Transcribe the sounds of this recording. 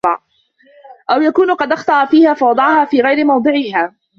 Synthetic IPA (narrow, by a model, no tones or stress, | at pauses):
ɑʕ | ʔawjakuːnqɑd̪ʔɑxt̪ˤɑʔfiːhaːfɑwɑd̪ˤɑʕhaːfiːɣajɾɪmɑwd̪ˤɨʕɪɦaː